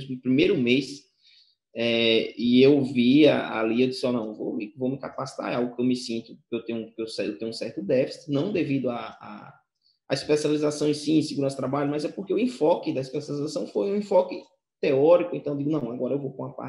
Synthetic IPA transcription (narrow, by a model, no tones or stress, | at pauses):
zʊpɾimejɾʊmes | ɛɪewvia̰a̰liewdisɪɔnɐ̃w̃vowmɪvowmɪkapasi̥t̪a̰ɾawɡʊkɪewmɪsĩnt̪ʊkɪewt̪ẽɲʊ̃kewsɛt̪ẽɲʊũsɛɾt̪ʊd̪ɛfisi̥nɐ̃w̃d̪evid̪ʊaa̰ | aispesializasɐ̃w̃sĩẽsiɡuɾɐ̃st̪ɾabaʎʊmazɛpoɾkeuẽfɔkɪd̪ɐispesjalizasɐ̃w̃fojũẽfɔkɪ | t̪eɔɾikʊẽt̪ɐ̃d͡ʒiɡʊnɐ̃w̃aɡɔɾɐewvowkõɐpa̰